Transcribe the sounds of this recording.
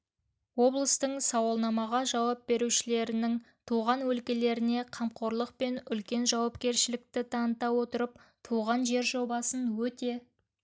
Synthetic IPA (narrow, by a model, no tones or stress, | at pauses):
wo̞blˠəst̪əɴsɑwɑlˠnɑmɑʁɑʒɑwɑp̚be̞ɾuʃɪle̞ɾɪnɪŋ | t̪ʰuʁɑnwɵlkʲe̞le̞ɾɪne̞qʰɑmqʰo̞ɾlˠəq̚pe̞nʏlkʲe̞nʒɑwɑpkʲe̞ɾʃɪlɪk̚t̪ɪt̪ʰɑnət̪ɑwo̞t̪əɾəp̚t̪ʰuʁɑnʒe̞ɾʒo̞bɑsənwɵt̪e̞